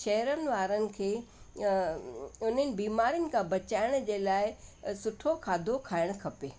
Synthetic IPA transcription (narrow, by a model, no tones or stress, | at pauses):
ʃɐɦɾənɪ̆ʋaːɾənɪ̆kʰeː | ʊn̤ənɪ̆biːmaːɾijʊnɪ̆kʰãbɐt͡ɕaːɪɽ̃d͡ʑeːlaːɪsʊʈʰokʰaːd̪ʱokʰaːɪɽ̃kʰɐpeː